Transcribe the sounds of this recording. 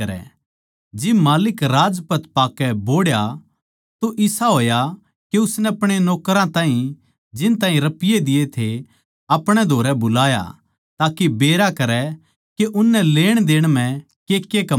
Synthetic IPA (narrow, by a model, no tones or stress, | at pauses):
ɐɾɛ̰ | d͡ʒɪbmaːlɪkɾaːd͡ʒpɐt̪paːkɛboːɽja | t̪oʔɪsaɦoːja | keʊsnɛɐpɽ̃enɔːkɾãt̪ãːɦĩ | d͡ʒɪnt̪ãːɦĩɾɐpɪjed̪ɪjet̪ʰe | ɐpɽ̃ɛd̪ʱoːɾɛbʊlaːja̰ | t̪aːkebeːɾakɐɾɛ | keʔʊnːɛleːɽ̃d̪eːɽ̃m̤ɛ̃ | keːkːekɐ